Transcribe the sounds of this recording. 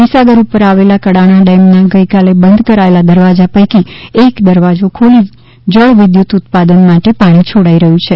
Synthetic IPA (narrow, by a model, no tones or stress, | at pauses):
nisaɡəɾupəɾaʋelakəɽaɽ̃aɖɛmnaɡəikalebənd̪ʱkəɾaelad̪əɾʋad͡ʒapəjkiekd̪əɾʋad͡ʒokʰoli | d͡ʒəɭʋɪd̪jut̪ʊt̪̚pad̪ənmaʈepaɽ̃it͡ʃʰoɽaiɾəɦũt͡ʃʰe